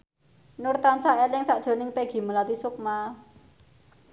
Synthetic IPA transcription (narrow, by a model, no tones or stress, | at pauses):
nʊrt̪ansaʔelɪŋsaʔd̥ʒ̥o̤nɪŋpeɡ̥i̤məlat̪isʊk̚ma